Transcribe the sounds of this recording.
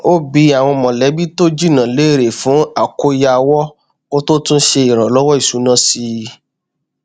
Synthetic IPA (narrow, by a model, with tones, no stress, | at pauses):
o˦bi˧˦a˨w̃ɔ̃˧˨mɔ̃˨lɛ˨˦bi˦to˦d͡ʒi˦˨nã˨le˨˦˨ɾe˨fũ˨˦a˨ko˧ja˧wɔ˦ | ko˦to˦tũ˦ʃe˧i˨ɾ̃ã˨lɔ˦wɔ˦i˨su˨˦nã˦si˧